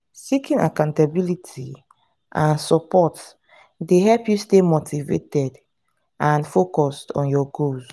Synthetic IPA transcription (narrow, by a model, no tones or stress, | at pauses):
sikĩŋa̰kãʊ̃ntabilitʰi | ʔãnsɔpɔt | deɦɛlpjustemotʰivḛtɛd | ʔãnfokɔstɔ̰̃njɔɡulz